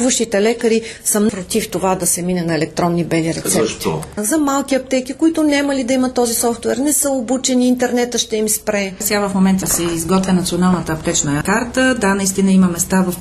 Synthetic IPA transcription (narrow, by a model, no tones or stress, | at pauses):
vəʃt̪it̪ɛlɛkəɾisəpɾot̪ift̪ovad̪ɐsɛminənɐɛlɛk̚t̪ɾɔnːibɛliɾɛ̰t̪sɛpt̪izɐmalˠkiɐp̚t̪ɛkikoit̪ʊnʲamɐlid̪ɐimət̪ːɔzisɔft̪wɛɾnɛsəobut͡ʃɛniːnt̪ɛɾnɛt̪əʃt̪ɛimspɾɛsɛavɐfmomɛnt̪əsɛizɡɔt̪vʲɛnɐt̪sionalˠnət̪əɐpt̪ɛt͡ʃnəkaɾt̪əd̪anɐist̪inəimɐmɛst̪avɐf